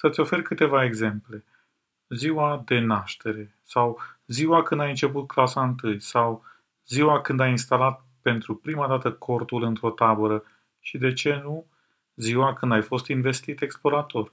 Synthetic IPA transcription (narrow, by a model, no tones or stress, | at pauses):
sət̪sʲo̞fe̞rkɨt̪e̞vae̞ɡze̞mple̞ | ziwad̪e̞naʃt̪e̞ɾe̞ | sawziwakɨnd̪ajɨnt͡ʃe̞put̪̚klasaɨnt̪ɨjsaw | ziwakɨnd̪ajinst̪alat̪̚ | pe̞nt̪ɾupɾimad̪at̪əkʰo̞rt̪ulɨnt̪ɾo̞t̪abəɾə | ʃid̪e̞t͡ʃe̞nu | ziwakɨnd̪ajfo̞st̪inve̞st̪it̪e̞ksplo̞ɾat̪o̞r